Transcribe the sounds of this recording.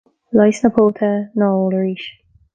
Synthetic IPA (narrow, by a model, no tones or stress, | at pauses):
lɑjsnəpʰɔːt̪ʰənɔːləɹiʃ